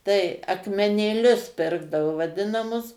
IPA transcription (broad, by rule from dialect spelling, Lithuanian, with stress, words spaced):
ˈtɐɪ ɐkmʲɛnʲeːˈlʲʊs ˈpʲɪrɡdɐʋoː ʋɐˈdʲɪnɐmʊs